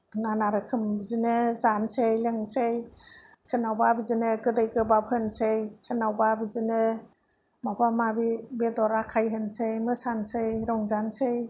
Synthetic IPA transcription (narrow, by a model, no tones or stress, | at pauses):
nanaɾɯkʰɯmbizinɯzansejleŋsejsenawbabizinɯɡɯdɯjɡɯbap̚hɯnsejsenawbabizinɯ | mabamabibedɔɾakʰajɦɯnsejmɯsansejɾɔŋzansej